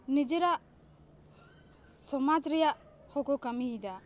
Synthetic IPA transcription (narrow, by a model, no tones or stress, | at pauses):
nid͡ʒɛɾaʔ | sɔmad͡ʒɾɛjaʔ | hɔkɔkamid̪a